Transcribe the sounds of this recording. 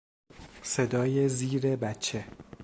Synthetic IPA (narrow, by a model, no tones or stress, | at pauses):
se̞d̪ɒːje̞ziːɾebæt͡ʃʰːe̞